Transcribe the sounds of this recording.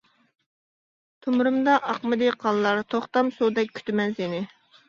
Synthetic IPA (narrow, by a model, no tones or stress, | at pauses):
t̪ʰʊmɾɨmd̪ɑʔɑqmɨd̪ɨqʰɑlˠːɑɾt̪ʰoχt̪ɑmsud̪ɛk̚ʲːʰy̥t̪ɪmɛnsenɪ